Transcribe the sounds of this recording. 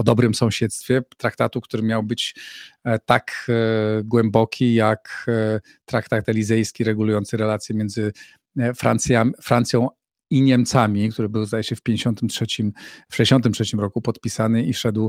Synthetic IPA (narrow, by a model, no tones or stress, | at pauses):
ɔd̪ɔbɾɘmsɔ̃w̃ɕɛt̪st̪fʲjɛt̪ɾakt̪at̪ukt̪uɾɘmʲjawbɘt͡ɕ | t̪ak | ɡwɛmbɔkʲʰijak | t̪ɾakt̪at̪ɛlʲizɛjskʲiɾɛɡulujɔnt̪sɘɾɛlat̪sʲjɛmʲjɛnzɘ | fɾa̰nt̪sjafɾant̪sʲjɔ̃w̃ | iɲɛmt̪samʲikt̪uɾɘbɘwzd̪ajɛɕɛfpʲjeɲd͡ʑeɕɔnt̪ɘmtʂɛt͡ɕimfʂɛd͡ʑeɕɔnt̪̬ɘmtʂɛt͡ɕimɾɔkupɔt̪pʲisanɘifʂɛd̪w